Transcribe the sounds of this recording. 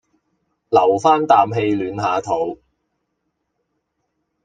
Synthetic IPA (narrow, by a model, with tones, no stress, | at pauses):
lɐ˨˩wfaː˥nt̪aː˨mɦe˧jlyː˨˧nɦaː˨˧t̪ʰo˨˥w